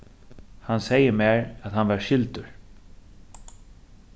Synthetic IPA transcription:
hansejəmɛːɹaðhanvaɹʃɪlt̪ʊɹ

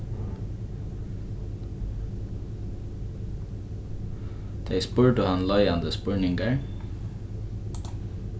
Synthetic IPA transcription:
d̪̥ʰeɪspʉːɹɖəhɑnlɑɪɑnd̪əspœɹɳɪŋɡəɹ

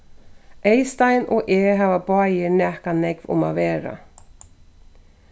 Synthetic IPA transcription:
ejst̪ajnʔɔɣʔɛːɦaːvapaːjɪɾnɛhkanɛkvʊ̰ma̰ðvɛːɾa̰

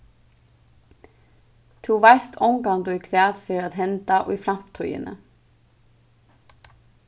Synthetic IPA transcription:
t̪ʰuʋajst̪ʰɔwŋkant̪ʊjkʰʋæːt̪fɪːɾat̪ɦɛnt̪aʔʊ̰jfɾam̥t̪ʰujɪ̰nə̰

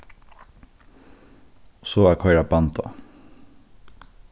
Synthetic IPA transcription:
soːæːkʰɑɪɾɑbɑnt̪ɑ̰

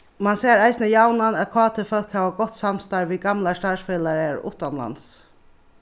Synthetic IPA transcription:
manseːɾaɪsnəjawnanækʰɑːt̪ʰɪfœlkhæːʋaɡɔht̪samst̪ɑɹʋiɡamlaʂtɑːsfeːlaɾɛɾʊ̰ht̪anla̰ns

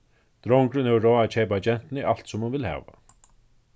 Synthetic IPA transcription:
t̪ɾɔwŋkɾʏnɛvɾɔːat͡ɕʰejpat͡ɕɛn̥t̪ɪnɪʔal̥t̪sɔmhunvɪlha̰ːʋa̰

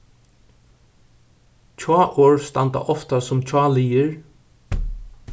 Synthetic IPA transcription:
t͡ʃʰɑːʔoːɹst̪a̰nt̪a̰ʔɔft̪asʊmt͡ʃʰɑːliːɪɹ

